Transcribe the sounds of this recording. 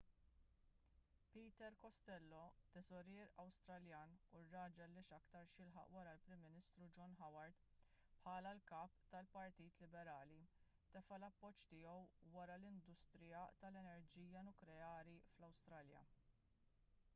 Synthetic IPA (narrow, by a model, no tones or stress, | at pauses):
piːt̪ɛɾkɔst̪ɛlːɔt̪ɛsɔɾɛːɾɐwst̪ɾɐljɐːnurːɐːd͡ʒɐlːɪːʃɐkt̪ɐɾʃjɪlħɐ̰ʔwɐɾɐlpɾɪmːɪnɪst̪ɾud͡ʒɔnħɐwɐɾt̪ | pħɐːlɐlkɐːpt̪ɐlpɐɾt̪iːt̪lɪbɛɾɐːli | t̪ɛfɐlɐpːɔt͡ʃːt̪ɪːɔwwɐɾɐlɪnd̪ʊst̪ɾɪjɐt̪ɐlɛnɛɾd͡ʒiːjɐnʊklɛɐːɾiflɐwst̪ɾɐːljɐ̰